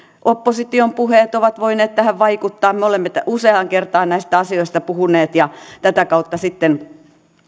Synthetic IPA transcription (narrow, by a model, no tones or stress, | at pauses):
ʔopːosit̪iompuheːt̪oʋɑt̪ʋoineːt̪t̪æhæʋʋɑikut̪ːɑːmmeolemːet̪æuseɑŋkert̪ɑːnnæist̪æɑsioist̪ɑpuhuneːt̪jɑt̪æt̪ækɑut̪ːɑsit̪ːen